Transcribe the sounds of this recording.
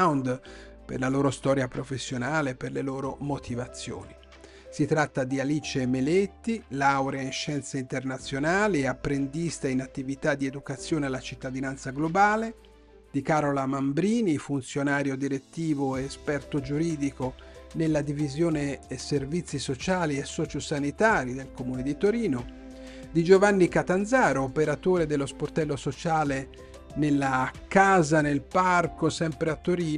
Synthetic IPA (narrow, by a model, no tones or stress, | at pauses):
wnd̪ | pḛrlaloːɾost̪ɔːɾjapɾofesːjonaːleperleloːɾomot̪ʰivat̪sːjo̰ːni | sit̪ɾat̪ːad̪ialit͡ʃemelet̪ːilawɾeainʃɛnt̪seint̪ernat̪sːjonaːliapːɾend̪ist̪ainat̪ːivit̪ad̪ːied̪ukat̪sːjoːnealːat͡ʃit̪ːad̪inant̪saɡlobaːle | d̪̥ikaɾolamambɾiːnifunt̪sjonaːɾjod̪iɾet̪ːiːvoeːspɛrt̪od͡ʒuɾiːd̪ikonelːad̪ivizjoːneːservit̪sːisot͡ʃaːliesːɔːt͡ʃosanit̪aːɾid̪elkomuːned̪it̪oɾiːno | d̪id͡ʒovanːikat̪anzaːɾoːpeɾat̪oːɾed̪elːosport̪ɛlːosot͡ʃaːle | nelːakaːzanelparkosɛmpɾeat̪ːoɾiː